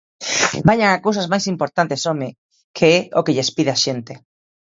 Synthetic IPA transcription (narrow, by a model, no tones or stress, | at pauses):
baɲaŋakowsazmajsimpoɾt̪ant̪esome | kʰeɛokeʎespiðeaʃent̪e